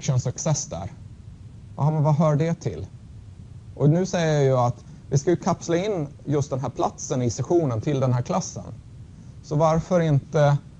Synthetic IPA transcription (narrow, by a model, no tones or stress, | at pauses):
kʂənsɵksɛsd̪æ̰ːɾ | ahamɛnvaɦœːɖɛt̪ʰɪ̰l | ʔɔnʉ̟ːsɛjːəɾjjɑat̪ | vɪskajɵkʰapslaɪnːjɵst̪̚d̪ɛnɦæːɾpʰlat̪sənɪsɛɧuːnənt̪ʰɪld̪ɛnɦæːɾkʰlasːə̰n | sɔvaɾfœɾɪnt̪ə